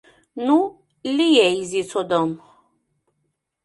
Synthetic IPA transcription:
nu | lijɛizit͡sɔd̪ɔm

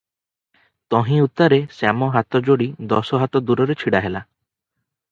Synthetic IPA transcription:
t̪ɔɦĩut̪aɾesamɔɦat̪ɔd͡ʒoɽid̪ɔsɔɦat̪ɔd̪uɾɔɾet͡ʃʰiɽaɦela

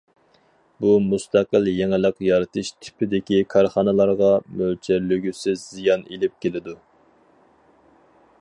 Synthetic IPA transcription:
bumust̪ʰæqəljeŋɪlˠəqjɑɾɨt̪ʰɨʃt̪ʰɪ̥pʰɪd̪ɪkʲikʰɑɾχɑnɨlˠɑɾʁɑmølt͡ʃʰæɾlyɡʲysɪzːijɑnelɪp̚kʲʰelɪd̪u

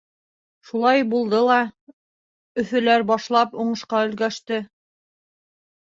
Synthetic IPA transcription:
ʃulˠɑjbulˠd̪ɤlˠɑ | ɵ̆θɵ̆læɾbɑʃlˠɑpuɴɤ̆ʃqɑɵ̆lɡæʃt̪ɘ

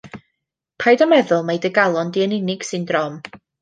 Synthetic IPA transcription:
pʰajdɔmɛðʊlˠmejdəɡalˠɔndiənɪnɪɡ̥sɨndrɔm

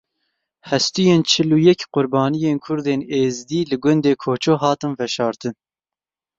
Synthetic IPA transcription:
hɛst̪ujeːnt͡ʃʰɨlujɛkqʊɾbɑːnijeːnkʰʊɾd̪eːneːzd̪iːlɨɡʊnd̪eːkʰoːt͡ʃʰoːɦɑːt̪ɨnvɛʃɑːɾt̪ɨn

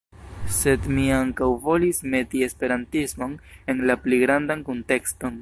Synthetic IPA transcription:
se̞dmiaŋkawvo̞lisme̞tie̞spe̞ɾantismo̞ne̞nlapliɡɾandankonte̞ksto̞n

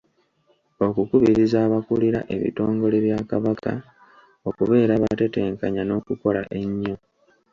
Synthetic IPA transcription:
o̞kukuβiɾizaːβakuliɾa̰ʔe̞βḭto̞ːŋɡo̞leβjaːkaβakʰa̰ | o̞kuβe̞ːɾaβate̞te̞ːŋkaɲano̞ːkuko̞la̰ʔe̞ɲːo̞

